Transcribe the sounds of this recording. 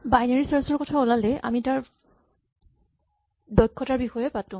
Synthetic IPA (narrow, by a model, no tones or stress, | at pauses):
bajnaɹisaɹsɔɹkɔtʰaɔlalɛʔa̰mitaɹ | dɔkʰːɔtaɹbixɔjɛpatʊ̃